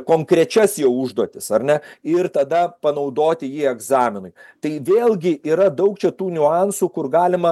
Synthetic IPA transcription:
koːŋkɾʲɛt͡ʃʲɛsjɛʊʊʒd̪oɔt̪ʲɪsɐrʲnʲɛɪrt̪ɐd̪ɐpɐnɐʊd̪oːt̪ʲɪjiːɛɡzɑːmʲɪnʊɪt̪ɐɪʋʲeːlʲˠɡʲɪʔiːɾɐd̪ɐʊkt͡ʃʲɛt̪uːnʲʊɑnsuːkʊrɡɑːlʲɪmɐ

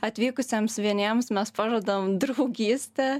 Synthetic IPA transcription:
ɐt̪ʲʋʲiːkʊsʲɛmsʋʲiɛnʲiɛmsmʲɛspɑːʒuɔd̪ɐʋomd̪ɾɐʊɡʲiːsʲt̪ʲɛ

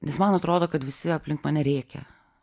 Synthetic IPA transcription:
nʲɛsmɐnɐt̪ɾoːd̪oːkɐt̪ʋʲɪsʲɪɐpʲlʲɪŋkmɐnʲɛɾʲɛːkʲɛ̰

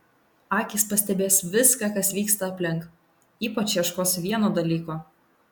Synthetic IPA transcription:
ɑːkʲɪspɐsʲt̪ʲɛbʲeːsʋʲɪskɑːkɐsʋʲiːkst̪ɐɐpʲlʲɪŋˑk | iːpɐt͡ʃjɛʃkoːsʋʲiɛnoːd̪ɐlʲiːkoː

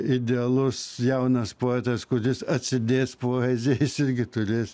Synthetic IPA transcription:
ɪd̪ʲɛɐlˠʊsjɛʊnɐspoːɛt̪ɐskʊɾʲɪsɐt̪ʲsʲɪd̪ʲeːspoːɛzʲejɪsɪrʲɡʲɪt̪ʊrʲeːs

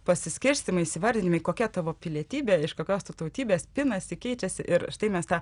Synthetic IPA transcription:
pɐsʲɪsʲkʲɪɾʲsʲt̪ʲɪmɐɪisʲɪʋɐɾʲd̪ʲɪnʲɪmɐɪkoːkʲɛt̪ɑʋoːpʲɪlʲiɛt̪ʲiːbʲeːɪʃkoːkʲoːst̪ut̪ɐʊt̪ʲiːbʲeːspʲɪnɐsʲɪkʲɛɪt͡ʃʲɛsʲɪʔɪɾʃt̪ɐɪmʲɛst̪ɑː

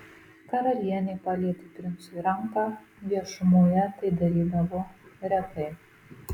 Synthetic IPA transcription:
kɐɾɐlʲiɛnʲepɑːlʲiɛt̪ʲɪt̪ʲɾʲɪnsʊɾɐmkɑ | ʋʲiɛʃʊmuːjɛt̪ɐɪd̪ɐɾʲiːd̪ɐʋoɾʲɛt̪ɐɪ

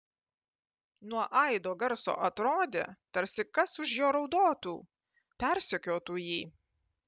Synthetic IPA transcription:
nuɔʔɐɪd̪oːɡɐɾso̰ːʔɐt̪ɾoːd̪ʲḛt̪ɐɾʲsʲɪkɐsʊʃjoːɾɒʊd̪oːt̪uː | pʲɛɾʲsʲɪkʲoːt̪uːjiː

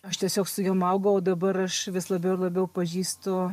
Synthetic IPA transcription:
ɐʃt̪ʲiɛsʲoːksʊjomɐʊɡɐoːd̪ɐbɐɾɐʃʋʲɪslˠɐbʲɛʊɪrlˠɐbʲɛʊpɐʒʲiːst̪ʊ

